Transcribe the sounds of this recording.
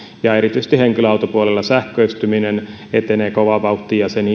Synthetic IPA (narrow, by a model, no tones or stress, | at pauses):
jɑeɾit̪yse̥st̪iheŋkiløɑut̪opuolelːɑsæhkøyst̪yminen | et̪eneːkoʋɑʋɑut̪ːijɑseni